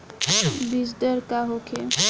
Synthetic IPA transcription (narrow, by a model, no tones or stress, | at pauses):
bisd̪əɾkaɦokʰe